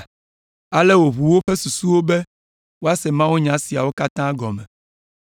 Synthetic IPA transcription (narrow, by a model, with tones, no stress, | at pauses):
a˨lɛ˦wo˨βu˨wo˦ɸɛ˦su˨su˦wo˦bɛ˦ | wo˦a˦sɛ˨mã˦wu˦ɲã˨˦si˨a˨wo˦ka˦t̪ã˦ɡɔ˨mɛ̃˨